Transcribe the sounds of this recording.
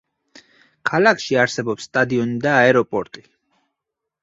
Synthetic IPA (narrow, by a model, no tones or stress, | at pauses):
kʰalakʰʃiaɾsɛbɔpsːt̪ʼad̪iɔnid̪aːɛɾɔpʼɔɾt̪ʼi